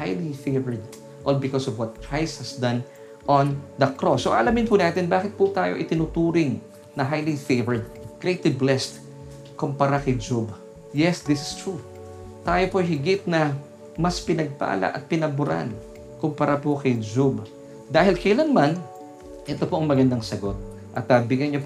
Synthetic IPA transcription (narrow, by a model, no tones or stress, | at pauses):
hajlifejvɛɹd̪̚ | ʔolbɪkosɔvwɐt̪̚kʰɹajst̪hɐsd̪ɐ̃n | ʔɔ̃nd̪ɐkɾosːoʔɐlamɪnpʊnaːt̪ɛnbaːkɪt̪̚pʊt̪aːjoʔɪ̰t̪ɪnʊt̪uːɾɪŋ | nɐɦajlifejvɛɹd̪̚kɹejt̪ɪblɛst̪ | kʊmpɐɾakɐjd͡ʒob | jɛsd̪ɪsɪ̥st̪ɹu | t̪aːjo̞poʔɐjɦɪɡɪt̪̚nɐ | mɐspɪnɐɡ̚pa̰ːla̰ʔɐ̰t̪̚pɪnɐbʊɾa̰n | kʊmpɐɾʔapokɐjd͡ʒub | d̪aːhɪlkɐjlanman | ʔɛt̪opoʔɐŋmɐɡɐnd̪aŋsɐɡo̞t̪̚ | ʔɐt̪̚ːɐbɪɡanɲop